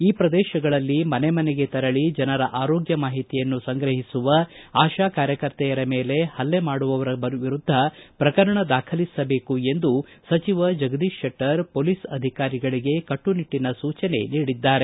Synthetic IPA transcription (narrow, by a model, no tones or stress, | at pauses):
iːpɾɐd̪ɛːʃɐɡɐɭɐlːimɐnemɐneɡe̞t̪ɐɾɐɭid͡ʒɐnɐɾɐʔaːɾoːɡjɐmaːɦit̪ijɐnːusɐŋɡɾɐɦisuʋɐaːʃaːkaːɾjɐkɐɾt̪ɛjɐɾɐmeːle̞hɐlːemaːɽuʋɐʋɐɾɐbɐʋiɾud̪ʱːɐpɾɐkɐɾɐɳɐd̪aːkʰɐlisɐbe̞ːkue̞nd̪usɐt͡ʃiʋɐd͡ʒɐɡɐd̪iʃɐʈːɐɾpoːlisɐd̪ʱikaːɾiɡɐɭiɡe̞kɐʈːuniʈːinɐsuːt͡ʃɐne̞̰niːɽid̪ːaːɾe̞